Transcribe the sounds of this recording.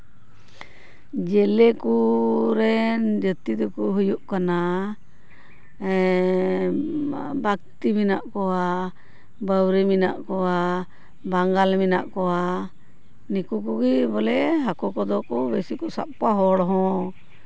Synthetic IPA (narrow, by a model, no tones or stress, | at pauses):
d͡ʒɛlɛkuɾɛnd͡ʒət̪id̪ukuɦujuʔkana | bak̚t̪iminaʔkɔwa | bəwɾəmina̰ʔkɔwa | baŋɡalmina̰ʔkɔwa | nikukuɡibɔlɛɦakɔkɔd̪ɔkɔbesikɔsa̰p̚kaɦɔɽɔɦɔ̃